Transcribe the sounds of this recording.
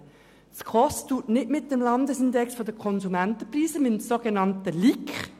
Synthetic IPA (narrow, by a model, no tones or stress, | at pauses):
skʰɔstuːtnɪtmɪt̚d̥ɛmlɑndəsɪndɛksfodəkʰɔnzumæntəpriːzəmɪmsoɡenɑntəlikχ